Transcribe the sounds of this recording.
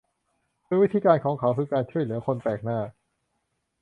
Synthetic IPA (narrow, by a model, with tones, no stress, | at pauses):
mʰɯ˧wi˦˥t̪ʰiː˧kaː˧nkʰɔː˩˦ŋkʰa˩˦wkʰɯː˧kaː˧nt͡ɕʰu˥˩əjlɯ˩˦ɐkʰo˧nt̪ɛː˨˩k̚naː˥˩